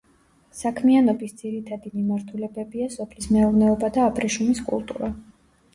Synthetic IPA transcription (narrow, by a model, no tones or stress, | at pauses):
sakʰmianɔbisd̪z̥iɾit̪ʰad̪imimaɾt̪ʰulɛbɛbiasɔpʰlismɛuɾnɛɔbad̪aːpʰʼɾɛʃumiskʼṵlˠt̪ʼṵɾa